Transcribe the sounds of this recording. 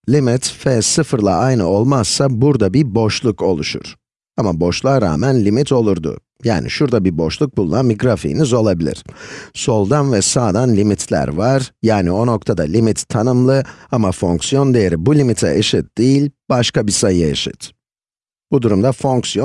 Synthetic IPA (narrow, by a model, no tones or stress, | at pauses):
lʲimit̪fɛsɯfɯɾlˠa̰ajnɯo̞lˠmassabuɾd̪abibo̞ʃlˠuko̞lˠuʃṵɾ̥ | amabo̞ʃlˠaːɾa̰ːmænlʲimit̪ʰo̞lˠuɾd̪ʊ̰ | ja̰ːnḭʃuɾd̪abibo̞ʃlˠuk̚bulˠunamiɡɾafḭːnizo̞lˠabilʲḭɾ̥so̞lˠd̪anvɛsaːd̪anlʲimit̪ʰlʲæ̰ɾvaɾ̥jaːnio̞nok̚t̪ʰad̪alʲimit̪ʰːanɯmlˠɯamafo̞ŋksjond̪ejeɾibulʲimit̪ʰɛ̰ʔeʃit̪̚d̪̥ijilʲb̥aʃkʰabisajɯḛʃḭt̪ | b̥ud̪uɾumd̪afo̞ŋksijon